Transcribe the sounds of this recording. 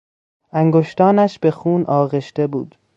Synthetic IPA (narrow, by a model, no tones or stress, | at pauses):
ʔæŋɡoʃt̪ɒːnæʃbe̞xuːnʔɒːɣeʃt̪e̞bṵːd̪̥